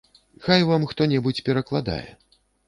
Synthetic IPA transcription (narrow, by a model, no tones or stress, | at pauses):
xajvamxt̪ɔnʲɛbut͡sʲpʲɛɾɐklˠad̪a̰jɛ̰